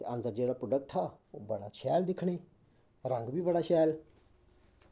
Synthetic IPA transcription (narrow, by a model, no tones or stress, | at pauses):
t̪ḛənd̪əɾd͡ʒeːɽaːpɾoːɖək̚ʈɦaːoːbəɽa̰ːt͡ʃʰɛːld̪ɪkʰɽ̃eː | ɾə̃ŋɡbiːbəɽaːʃɛːl